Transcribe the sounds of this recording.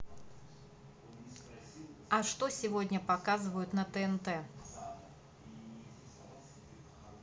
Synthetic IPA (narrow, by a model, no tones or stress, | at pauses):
ɐʂt̪osʲɪvɔdʲnʲəpakazɨvəjʊt̪nɐt̪ɛɛnt̪ɛ